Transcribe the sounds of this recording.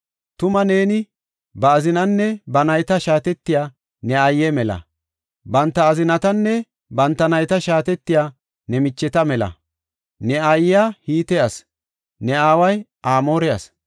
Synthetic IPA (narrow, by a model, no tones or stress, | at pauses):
t̪ʊmɐne̞ːnɪ | bɐːzɪnɐnːɛbɐnɐjt̪ɐʃaːt̪ɛt̪ːɪjaː | nɛɐjːɛmɛlɐ̰ | bɐnt̪ːɐːzɪnɐt̪ɐnːɛ | bɐnt̪ːɐnɐjt̪ɐʃaːt̪ɛt̪ːɪjaː | nɛmɪt͡ʃːɛt̪ɐmɛlɐ̰ | nɛɐjːahiːt̪ɛjɐs | nɛaːwɐjʔaːmo̞ːɾɛɐ̰s